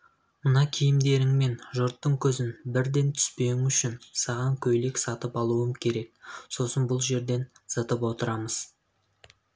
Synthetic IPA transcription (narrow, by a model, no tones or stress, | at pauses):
mənɑkʲʰijɪmd̪e̞ɾɪŋme̞nʒʊɾt̪ːəɴkʲʰɵzɪnbɪɾd̪e̞nt̪ʰʏ̥spe̞ɪŋʏʃɪnsɑʁɑŋkʲʰɵjle̞ksɑt̪əpɑlˠuəmkʲʰe̞ɾe̞k̚so̞sənbʊlˠʒe̞ɾd̪e̞nsət̪əpwo̞t̪əɾɑməz̥